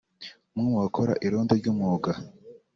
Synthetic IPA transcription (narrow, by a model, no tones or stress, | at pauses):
mŋimuwakʰoɾa̰ʔiɾoːndoɾɟuːmŋoːɡa